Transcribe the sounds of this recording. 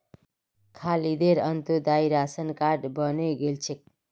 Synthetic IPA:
kʰalid̪eɾʌnt̪ud̪aiɾasənkaɖbʌneɡelt͡ʃʰek̚

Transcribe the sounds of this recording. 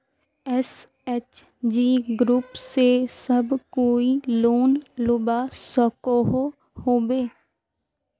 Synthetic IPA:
ɛs | ɛt͡ʃ | d͡ʒiːɡɾuːpsesəbkoːiloːnlʊbaːsɔkoɦo | hoːbeː

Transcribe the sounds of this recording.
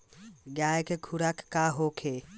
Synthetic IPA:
ɡjaːjkekʰuɾakːaɦokʰe

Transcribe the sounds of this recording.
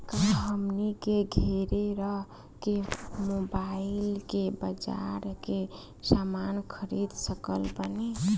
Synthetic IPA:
kaɦɦəmnikeɡʱeɾeɾəɦ | kemobailkebəd͡ʒa̰ɾke | samankʰəɾid̪səkəlpəni

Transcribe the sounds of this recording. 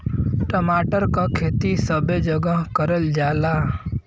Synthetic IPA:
ʈəmaːʈəɾkakʰeːt̪isəbed͡ʒəɡaɦkəɾəld͡ʒaːlaː

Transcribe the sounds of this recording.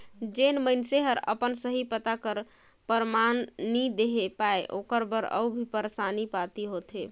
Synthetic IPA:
d͡ʒenməɪnseɦəɾə̰pənsəɦipət̪akəɾ | pəɾmanːid̪eɦepaeʔo̰kəɾbəɾə̰ubʱipəɾsanipat̪iɦot̪e

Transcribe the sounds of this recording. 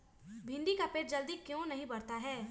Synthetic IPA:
bʱɪ̃ɳɖikapeːʈd͡ʒɐld̪ikjõnɐɦĩbɐɾt̪aɦɛː

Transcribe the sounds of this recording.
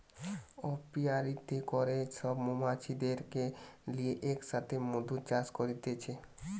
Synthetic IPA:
ɔpiaɾit̪ekoɾeʃɔbmumat͡ɕʰid̪eɾkelieʔekʃat̪ʰemod̪ʱut͡ɕaskoɾit̪et͡ɕʰe

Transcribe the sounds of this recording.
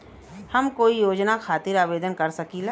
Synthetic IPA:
hɐmkoːijoːd͡ʒnakʰaːt̪ɪɾaːʋeːd̪ənkɐɾsɐkila

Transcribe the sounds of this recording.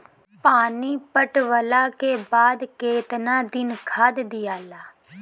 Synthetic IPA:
paːniːpəʈʋəlaːkeːbaːd̪keːt̪nãːd̪ɪnkʰaːd̪d̪ijaːlaː

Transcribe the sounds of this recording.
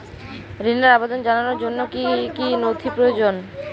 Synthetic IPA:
ɾinːaɾabed̪ond͡ʑananoɾd͡ʑonːokikinot̪ʰipɾood͡ʑon

